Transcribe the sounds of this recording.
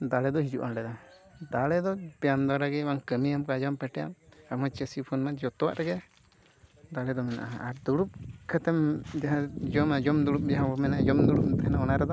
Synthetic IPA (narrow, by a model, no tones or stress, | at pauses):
d̪aɽɛd̪ɔɦid͡ʒuʔanɖɛd̪a | d̪aɽɛd̪ɔbɛjamd̪ɔɾaɡɛbaŋkəmijamkad͡ʒampɛʈɛja̰mamat͡ʃəsipʰɔnmɛd͡ʒɔt̪ɔwa̰ʔɾɛɡɛ | d̪aɽɛd̪ɔmɛna̰ʔaaɾd̪uɽup̚kɛt̪ɛmd͡ʒ̪ɛɦãd͡ʒɔmad͡ʒɔmd̪uɽup̚jaɦbɔmɛnad͡ʒɔmd̪uɽup̚t̪ɛɛnaɔnaɾɛd̪ɔ